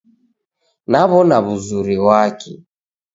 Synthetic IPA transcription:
naβɔnaβuzuɾiwakɛ̰

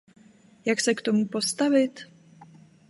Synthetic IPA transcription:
jaksɛkt̪omupo̞st̪avɪt̪

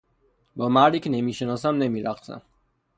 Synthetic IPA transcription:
bɔmaɾikʰnɛmiʃɛnɔs̬amnɛmiɾæqsæ̰n

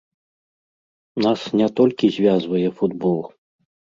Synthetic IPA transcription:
nasnʲɛt̪ɔlʲkʲizʲvʲazvɐjɛfud̪bɔlˠ

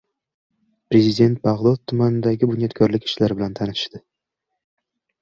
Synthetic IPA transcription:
pɾe̞zʲɪd̪ʲe̞nt̪̚baʁlˠɒt̪ʰːʊmanɪd̪aɡʲɪbʊnjɒt̪kʲʰɒɾlɪkʲɪ̥ʃlaɾɪbɪlant̪ʰanɪɪ̥ʃt̪ɪ

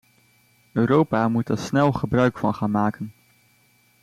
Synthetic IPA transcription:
øːɾowpaːmutəsnɛlˠχəbrœɥkfɑnχaːnmaːkən

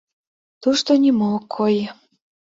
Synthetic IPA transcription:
t̪uʃt̪onimokʰːoj

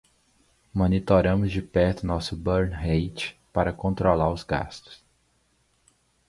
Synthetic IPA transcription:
mõnit̪oɾɐ̃mʊzd͡ʒɪpɛɾt̪ʊnɔsʊbɐɾnhejt͡ʃɪ̥paɾɐkõnt̪ɾolaɾʊzɡa̰st̪ʊ̥s

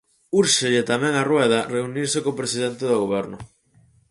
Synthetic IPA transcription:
uɾʃeʎɪt̪amɛ̃ŋarwɛð̞ɐreuniɾsekopɾesiðɛnt̪eðoɣ̞oβɛɾnʊ

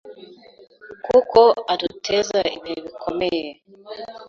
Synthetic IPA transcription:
kukɔatutʰezaḭmeβikʰomɛjɛ

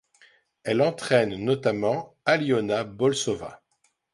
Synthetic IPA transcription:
ɛlɑ̃t̪χɛnːɔt̪amɑ̃ | aljɔnabɔlsɔva̰

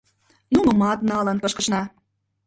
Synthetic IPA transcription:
numə̆mɑt̪nɑlənpɤ̆ʃkə̆ʃnɑ

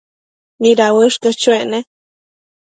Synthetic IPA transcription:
niɾawəʂkət͡ʃuene

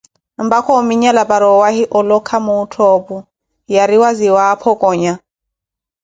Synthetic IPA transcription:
mbakʰɔmiɲalapaɾɔwahiʔɔlɔkʰamuːtʰɔpu | jaɾiwaziwaːpʰɔkʼɔːɲa

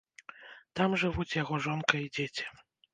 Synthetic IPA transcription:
t̪amʐɨvut͡sʲjaɣɔʐɔnkɐid͡zʲet͡sʲi̥

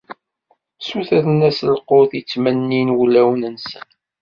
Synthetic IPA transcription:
suθæðnæsəlqoðit͡sːmænːinwlːæwnənsən

